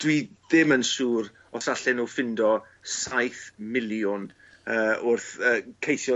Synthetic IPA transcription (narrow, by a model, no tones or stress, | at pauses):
d̥wiðɪmənsuːɾ | ɔsaɬɪnufɪndɔ | sajθmɪlˠjʊn | əːʊrθəːkʰejθjɔ